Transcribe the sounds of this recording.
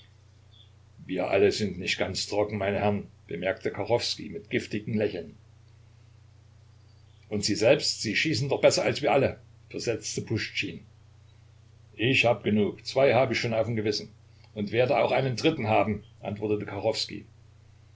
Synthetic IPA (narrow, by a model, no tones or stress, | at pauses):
viːɐʔa̰ləzɪntnɪçt̚ɡ̥ant͡stʁ̥ɔkŋ̩maɪnəhɛɐnb̥əmɛɐk̚tʰəkʰaʁɔfskḭmɪtɡ̥ɪftɪɡŋ̩lɛçl̩n | ʔʊntz̥iːzɛlpstz̥iːʃiːsn̩dɔχb̥ɛsɐalsv̥iːɐʔalə | fɛɐzɛt͡stəpʰʊʃt͡ʃiːn | ʔɪçhaːbəɡənuːkt͡sv̥aɪhaːbəɪçʃoːnaʊfmɡəvɪsn̩ | ʊntv̥eːɐdəaʊxʔaɪnəndʁɪtn̩ɦaːbm̩ʔa̰ntv̥ɔɐtətəkʰaʁɔfskḭ